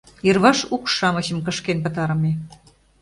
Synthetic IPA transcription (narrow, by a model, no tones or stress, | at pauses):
jirβɑʃukʃɑmə̆ɕə̆mkə̆ʃkenpə̆t̪ɑɾə̆me